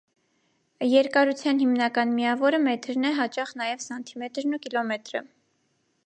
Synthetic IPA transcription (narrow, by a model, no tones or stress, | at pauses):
jɛɾkɑɾut͡sʰjɑnhimnɑkɑnmiɑvɔɾəmɛt̪ʰɾnɛɦɑt͡ʃɑχnɑjɛvsɑnt̪ʰimɛt̪ɾnukilɔmɛt̪ɾə̰